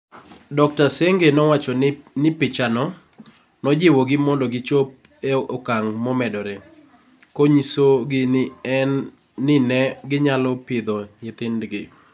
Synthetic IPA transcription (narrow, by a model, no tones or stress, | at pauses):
dɔk̚taseŋɡenɔwat͡ʃɔnnɪpɪt͡ʃanɔ | nɔd͡ʒɪwɔɡɪmɔndɔɡɪt͡ʃop | eɔkaŋmɔmɛdɔɾe | koɲisoɡɪnɪɛnː | ɪnɛɡɪɲalɔpɪd̪ɔɲɪt̪ɪndɡɪ